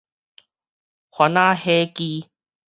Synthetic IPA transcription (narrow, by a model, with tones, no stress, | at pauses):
xwa˨˦naː˦heː˦kiː˦